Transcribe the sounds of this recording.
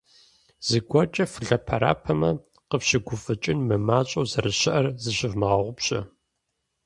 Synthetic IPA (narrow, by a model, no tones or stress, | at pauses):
z̥ɨɡʷɔt͡ʃʼɐfɨɮɐpʰɐɾa̰ːpʰɐmɐ | qəpɕɪɡʷʊfʼɨt͡ʃʼɪnmɨmaːt͡ʃʼɐwzɐrɨɕɪʔɐrzɨɕɪvmɐʁɐʁʷʊpɕʼɐ̰